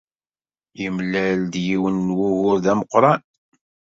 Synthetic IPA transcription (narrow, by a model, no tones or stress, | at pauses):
jimlæld̪jiwənːwuɣʊɾðæməqːɾˤɑn